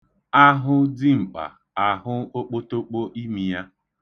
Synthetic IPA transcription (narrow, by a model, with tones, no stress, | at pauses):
a˦ɦʊ˦di˦ŋ͡m̩˨k͡pa̰˨ | a˨ɦʊ˦o˦k͡po˦to˦k͡po˦ʔi˦mi˨ja˦